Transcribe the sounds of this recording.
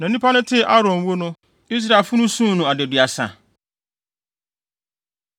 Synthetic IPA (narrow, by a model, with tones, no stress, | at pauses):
nã˨˦nĩ˦pʰa˦nʊ̃˦tʰɪ˦ʔa˦ɾɔ̃˨m˨wo˦nʊ̃˦ | i˦s̬ɾa˨lfʊ˦nʊ̃˦sũ˦nʊ̃˨a˨de˨dɥa˨sã̰˨